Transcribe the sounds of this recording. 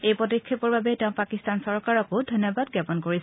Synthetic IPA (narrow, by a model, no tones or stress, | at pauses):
ejpɔtikʰːipɔɹbabɛtɛʊ̃pakistansɔɹkaɹɔkodʱɔnjɔbad̚ɡapɔnkoɹis